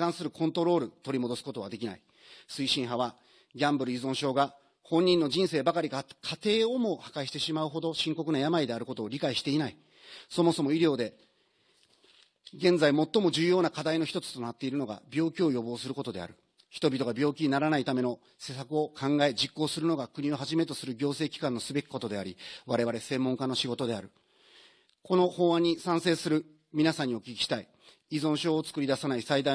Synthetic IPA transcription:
kãɰ̃sɨɾɯ̟kʰõ̞nt̪o̞ɾo̞ːɾɯ̟t̪o̞ɾʲimo̞d̪o̞sɨ̥ko̞t̪o̞βad̪e̞kʲina̰i | sɨiɕĩɰ̃ɦaβa | ɡʲãmbɯ̟ɾɯ̟izõ̞ɰ̃ɕo̞ːɡa | hõ̞ɲ̟ːĩnːo̞d͡ʑĩɰ̃se̞ːbakaɾʲikakʰat̪e̞ːo̞mo̞hakaɕi̥t̪eɕimaɯ̟ɦo̞d̪o̞ɕĩŋko̞k̬ɯ̟najamaid̪e̞aɾɯ̟ko̞t̪o̞ːɾʲikaiɕi̥t̪e̞inai | so̞mo̞so̞mo̞iɾʲo̞ːd̪e̞ | ɡẽ̞nd͡zaimo̞t̪ːo̞mo̞ʑɨːjo̞ːnakad̪aino̞çi̥t̪o̞t͡sɨ̥t̪o̞nat̪ːe̞iɾɯ̟no̞ɡa̰bʲjo̞ːkʲio̞jo̞bo̞ːsɨɾɯ̟ko̞t̪o̞d̪e̞̰a̰ɾɯ̟ | çi̥t̪o̞bʲit̪o̞ɡabʲjo̞ːkʲiɲ̟inaɾanait̪ame̞no̞ | se̞ːsakɯ̟o̞kʰãŋɡae̞d͡ʑikːo̞ːsɨɾɯ̟no̞ɡakɯ̟ɲ̟io̞ɦaʑime̞t̪o̞sɨɾɯ̟ɡʲo̞ːse̞ːkʲi̥kãnːo̞sɨbe̞kʲi̥ko̞t̪o̞d̪e̞aɾʲiβaɾe̞βaɾe̞sẽ̞mːõ̞ŋkano̞ɕiɡo̞t̪o̞d̪e̞aɾɯ̟ | ko̞no̞ho̞ːβaɲ̟isãɰ̃se̞ːsɨɾɯ̟ | mʲinasãɲ̟ːio̞kʲikʲi̥ɕi̥t̪ai | izõ̞ɰ̃ɕo̞ːt͡sɨ̥kɯ̟ɾid̪asanaisaid̪a

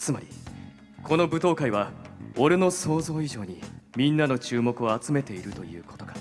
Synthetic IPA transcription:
t͡sɨmaɾʲi | kʰo̞no̞bɯ̟t̪o̞ːkaiβ̞ao̞ɾeno̞so̞ːzo̞ːiʑo̞ːɲ̟imʲĩnːano̞t͡ɕɨːmo̞kɯ̟o̞at͡sɨme̞t̪e̞iɾɯ̟t̪o̞jɯ̟̰ːko̞t̪o̞ɡḁ

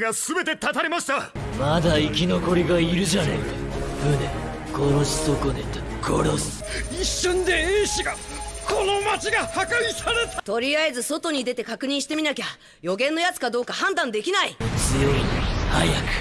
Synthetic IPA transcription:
ɡasɨbe̞t̪e̞t̪at̪aɾʲimaɕi̥t̪a | mad̪aikʲino̞ko̞ɾʲiɡaiɾɯ̟ʑanḛk̪ahɯ̟ne | koɾoɕi̥sokod̪et̪ːkʰoɾosɨ̥ | iɕːɨ̃nd̪e̞ẽːɕiɡako̞no̞mat͡ɕiɡahakaisaɾe̞t̪at̪o̞ɾʲiaezɨso̞t̪o̞ɲ̟id̪e̞t̪e̞kakɯ̟ɲ̟ĩɕi̥t̪e̞mʲinakʲa | jo̞ɡẽ̞nːo̞jat͡sɨ̥kad̪o̞ːkahãnd̪ãnd̪e̞kʲinait͡sɨjo̞inha̰jakɯ̟̥

